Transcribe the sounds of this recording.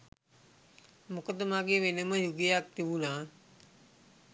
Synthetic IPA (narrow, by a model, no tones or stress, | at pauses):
mukəd̪əmaːɡeːʋenəməjuɡijak̚t̪iʋunaː